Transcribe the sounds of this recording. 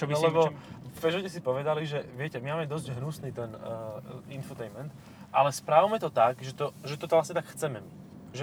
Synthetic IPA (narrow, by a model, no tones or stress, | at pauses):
t͡ʃlɛbɔpɛʒɔcɛsipɔʋɛd̪aliʒɛʋɪɛcɛmimaːmɛd̪ɔzɟɦnusniːt̪ɛnː | infɔt̪ɛjmɛnt̪ | ʔalɛspɾawmɛt̪ɔt̪aɡʒɛt̪ɔʒɛt̪ɔt̪ɔʋlasɲɛt̪akxt͡sɛmɛmi | ʒɛ